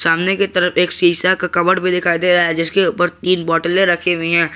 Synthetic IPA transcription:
saːmneket̪ɐɾəfeːksiːsakakɐbəɽbid̪ɪkʰaːid̪eɾaɦaɛd͡ʒɪskeuːpəɾt̪iːnbɔːʈəlẽɾɐkʰeɦʊĩɦɛ̃ː

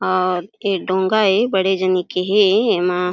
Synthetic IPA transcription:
ɔːɾeɖõːŋɡaebəɽed͡ʒənikeɦeemã

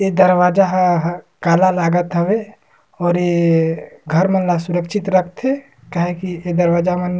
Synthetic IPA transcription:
ed̪əɾwaːd͡ʒaɦɦ | kaːlalaːɡət̪ɦəwe | ɔːɾje | ɡʱəɾmənlasuɾəkʃʰit̪ɾəkʰt̪ɦe | kaɦekied̪əɾwaːd͡ʒamən

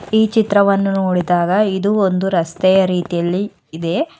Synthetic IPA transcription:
iːt͡ʃit̪ɾɐʋɐnːunoːɽid̪aːɡɐid̪uond̪uɾɐst̪ɛjɐɾiːt̪ijɐlːiː | d̪e̞

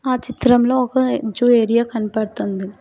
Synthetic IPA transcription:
aːt͡ʃit̪ɾɐmloːɔkɐd͡ʒueːɾijakɐnipɐɽt̪und̪i

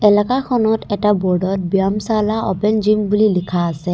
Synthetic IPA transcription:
ɛlakakʰɔnɔtɛʈabɔɹɖɔt̚bijamsalaɔpɛnd͡ʒimbulilikʰaːsɛ

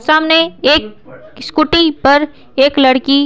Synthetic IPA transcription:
saːmneeːk̚ | skʊʈipɐɾ | eːklɐɽki

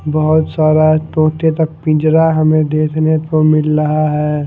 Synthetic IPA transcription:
bəɦʊt̪saːɾaɦɛt̪õːt̪et̪ək̚pĩd͡ʒɾaɦəmẽd̪eːkʰnet̪omɪlɾəɦaɦɛː

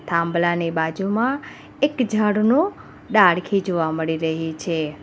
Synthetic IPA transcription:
t̪ʰãmblanibad͡ʒumã | ekd͡ʒʱəɽnũ | ɖaɽkʰid͡ʒoʋaməɭiɾəɦit͡ʃʰe

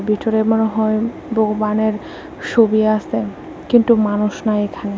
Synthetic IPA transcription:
bit̪oɾemonoɦɔe | boɡobaneɾ | ʃobiease | kint̪umanuʃnaekʰane

